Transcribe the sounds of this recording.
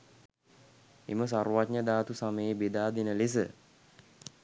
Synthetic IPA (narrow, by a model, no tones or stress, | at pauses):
ḛməs̬aɾuwatɲəd̪aːt̪usaməjebed̪aːd̪enəles̬ə